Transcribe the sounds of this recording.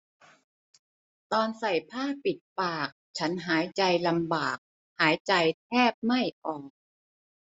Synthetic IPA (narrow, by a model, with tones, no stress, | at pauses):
t̪ɔː˧nsa˨˩jpʰaː˥˩pi˨˩t̪̚paː˨˩k̚t͡ɕʰa˦˥nɦaː˩˦jt͡ɕa˧jla˧mbaː˨˩k̚ | haː˩˦jt͡ɕa˧jt̪ʰɛː˥˩p̚ma˥˩jʔɔː˨˩k̚